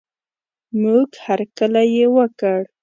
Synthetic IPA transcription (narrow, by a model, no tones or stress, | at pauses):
muɡhaɾkəlajewəkəɽ